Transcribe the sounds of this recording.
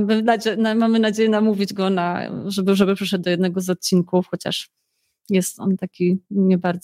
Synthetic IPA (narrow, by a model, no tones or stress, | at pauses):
bd̪ad͡ʑɛnamamɘnad͡ʑejɛnamuvʲid͡ʑɡɔna̰ʐɛbɘʐɛbɘpʂɛʂɛd̪d̪ɔjɛd̪nɛɡɔzɔt̪̚t͡ɕinkufxɔt͡ɕa̰ʂ | jɛst̪ɔ̰nt̪akʲiɲɛbaɾd̪z